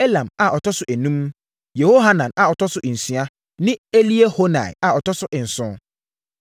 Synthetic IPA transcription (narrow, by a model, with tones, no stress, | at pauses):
e˦lã˨ma˨ʔɔ˨tʰɔ˦sʊ˨ʔæ˨nũ˦m | je˨ho˦ɦa˦nã˨na˨ɔ˨tʰɔ˦sʊ˨n̩˨sɥa˦ | nɪ̃˦e˦li˦e˦ho˦nã̰˨j̰a˨ɔ˨tʰɔ˦sʊ˦ʔɪ˨n̩˨sʊ̃˦